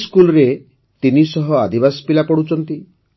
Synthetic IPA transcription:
skulɔɾe | t̪inisɔɦɔad̪ʱibasɔ̥pilapɔɽut͡ʃɔnt̪i

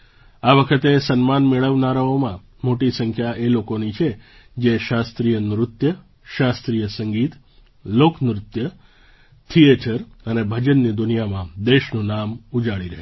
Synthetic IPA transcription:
aʋəkʰət̪esənmanmeɭəʋnaɾaomã | moʈisəŋkʰjaelokonit͡ʃʰe | d͡ʒeʃast̪ɾijənɾʊt̪jə | ʃast̪ɾijəsəŋɡit̪ | loknɾʊt̪jə | t̪ʰieʈʰəɾənebʱəd͡ʒənːid̪unijamãd̪eʃnunamud͡ʒaɭiɾəɦe

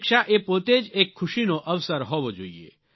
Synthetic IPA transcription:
kʃaʔepoːt̪ed͡ʒeːkʰːʊʃinoʔɐʋsəɾɦoːʋod͡ʒoːiḛː

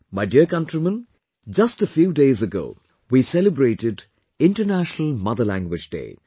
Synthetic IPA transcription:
maɪdiəkʌ̃ntɾimə̃n | d͡ʒʌsʈəfjuːɖeːzəɡo̰ː | wisɛləbɾeːʈɪɖ | ɪ̃ɳʈənæʃnəlmʌd̪əlæ̰̃ŋɡwɪd͡ʒɖḛː

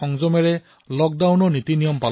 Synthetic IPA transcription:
ɔŋzɔmɛɹɛ | lɔk̚dawnɔnitinijɔmpal

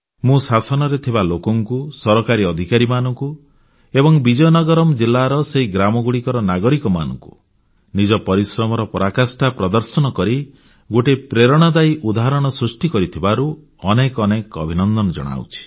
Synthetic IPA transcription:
mũsasɔnɔɾet̪ʰibalokɔŋkusɔɾɔkaɾiɔd̪ʱikaɾimanɔŋku | ebɔŋbid͡ʒɔjnɔɡɔɾɔmɔd͡ʒilːaɾɔseɦiɡɾamɔɡuɽikɔɾɔnaɡɔɾikɔma̰nɔ̰ŋku | nid͡ʒɔpɔɾisɾɔmɔɾɔpɔɾakasʈapɾɔd̪ɔɾsɔnɔkɔɾi | ɡoʈepɾeɾɔɽ̃ad̪ajʔud̪aɦɾɔɽ̃ɔsɾusʈikɔɾit̪ʰibaɾu | ɔnekɔnekɔ̰bʱinɔnd̪ɔnɔd͡ʒɔ̰ɽ̃a̰w̰t͡ʃʰi̥

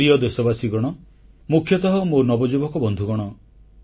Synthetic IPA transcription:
iɔd̪esɔbasiɡɔɽ̃ɔ | mukʰjɔt̪ɔɦɔmonɔbɔd͡ʒubʱɔkɔbɔnd̪ʱuɡɔɽ̃ɔ

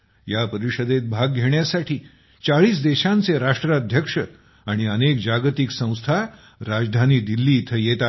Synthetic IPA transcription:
japəɾiɕəd̪et̪̚bʱaɡɡʱeɳjasaʈiː | t͡saɭiːsd̪eɕãnt͡seɾaʂʈɾəd̪ʱjəkʂə | aɽ̃iənek̚d͡ʑaɡt̪iksə̃w̃st̪ʰa | ɾad͡zd̪ʱaniːd̪ilːiːt̪ʰəjet̪a

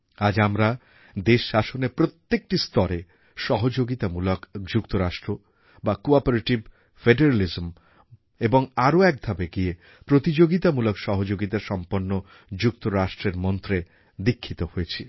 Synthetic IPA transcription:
ad͡ʑamɾa | d̪eʃaʃonepɾot̪ːek̚ʈist̪ɔɾe | ʃɔɦod͡ʑoɡit̪amulokd͡ʑukt̪oɾaʃʈɾo | bakoapoɾeʈib | feɖeɾalizm | eboŋaɾoɛk̚b̪ʱabeɡie | pɾot̪id͡ʑoɡit̪amulokʃɔɦod͡ʑoɡit̪aɾʃɔmponːo | d͡ʑuk̚t̪oɾaʃʈɾeɾmɔnt̪ɾe | d̪ikʰːit̪ohojet͡ɕʰi

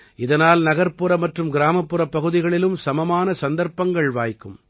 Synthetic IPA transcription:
ʔɪðɐnaːlnɐɣɐɾpːɯɾɐmɐʈrɯmɡɪɾaːmɐpːɯɾɐpːɐɣɯðɪɣɐɭɪlɯmsɐmɐmaːnɐsɐnd̪ɐɾpɐŋɡɐɭʋaːjkːɯm

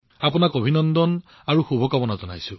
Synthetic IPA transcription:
apunakobʱinɔndɔn | aɹuxubʱɔkabɔnazɔna̰jsʊ̃

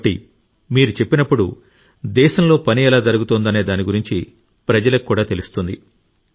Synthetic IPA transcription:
ʈḭ | miːɾut͡ʃe̞pːinɐpːuɽu | d̪ɛːʃɐmlo̞ːpɐniɛlaːd͡ʒɐɾuɡut̪oːnd̪ɐne̞ːd̪aːniɡuɾiɲt͡ʃi | pɾɐd͡ʒɐlɐkkːuːɽaːt̪e̞lust̪und̪i

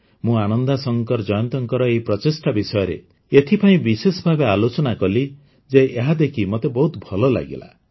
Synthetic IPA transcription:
mũañɔnd̪asɔŋkɔɾd͡ʒɔjɔnt̪ɔŋkɔɾɔejpɾɔt͡ʃisʈabisɔjɔɾḛ | et̪ʰipaĩbisesɔbʱabealot͡ʃɔnakɔli | d͡ʒeeɦad̪ekʰimot̪ebɔɦut̪bʱɔlɔla̰ɡḭla̰

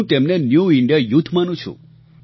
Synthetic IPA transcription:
ũt̪emnenjuɪɳɖijajut̪ʰmanũt͡ʃʰṵ̃

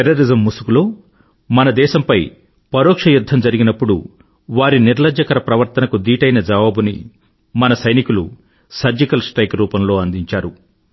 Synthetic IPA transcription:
eɾːɐɾizɐmːusukuloː | mɐnɐd̪ɛːʃɐmpɐj | pɐɾoːkʂɐjud̪ʱːɐmd͡ʒɐɾiɡinɐpːuɽṵ | ʋaːɾiniɾlɐd͡ʒɐkɐɾɐpɾɐʋɐɾt̪ɐnɐkud̪iːʈɐjnɐd͡ʒɐʋaːbunḭ | mɐnɐsɐjnikulṵ | sɐɾd͡ʒikɐlsʈɾɐjkɾuːpɐmlo̞ːɐnd̪iɲt͡ʃaːɾu

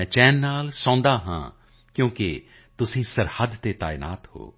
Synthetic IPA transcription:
t͡ʃɛːnːaːlsɔ̃ːnd̪aːɦã̰ː | kjõːke | t̪ʊsĩːsəɾhəd̪t̪eːt̪a̰ːɪna̰ːt̪ho̰ː

